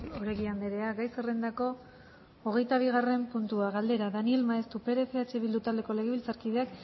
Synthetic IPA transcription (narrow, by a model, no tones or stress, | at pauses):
oɾeɣiand̪eɾe̞aɡajserend̪ako̞ː | ɣ̞e̞jt̪aβ̞iɣ̞are̞mpunt̪uaɣald̪e̞ɾaðanie̞lmaest̪upe̞ɾe̞fe̞at͡ʃe̞βild̪ut̪ald̪e̞ko̞le̞ɣeβilt͡saɾkið̞e̞ak